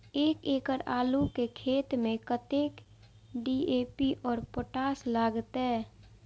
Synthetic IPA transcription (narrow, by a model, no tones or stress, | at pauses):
eːkeːkəɾaːlukekʰeːt̪mẽkət̪eːk | ɖiːeːpiʔɔːɾpəʈaːslaːɡt̪ɛː